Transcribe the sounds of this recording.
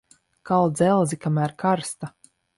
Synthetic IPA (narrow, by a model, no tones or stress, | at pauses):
kalˠd̪zɛlˠzikamæːɾkʰaɾst̪a